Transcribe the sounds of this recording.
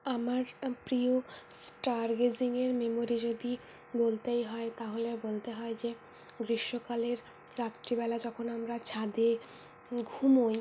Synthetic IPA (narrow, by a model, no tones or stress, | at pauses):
amaɾpɾiosʈaɾɡeziŋeɾmemoɾid͡ʑod̪i | bolt̪ejɦɔet̪aɦolebolt̪eɦɔed͡ʑe | ɡɾiʃːokaleɾː | at̪ːɾibɛlad͡ʑɔkʰonamɾat͡ɕʰad̪e | ɡʱumoj